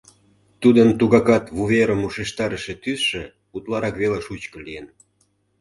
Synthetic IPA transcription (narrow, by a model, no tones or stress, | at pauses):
t̪ud̪əmt̪uɣɑkɑt̪βuβeɾəmuʃeʃt̪ɑɾəʃet̪ysʃĕ | ut̪lɑɾɑkβelɑʃut͡ɕkəlijen